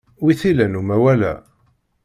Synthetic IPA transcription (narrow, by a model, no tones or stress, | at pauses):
wiθilænumæwælæ̰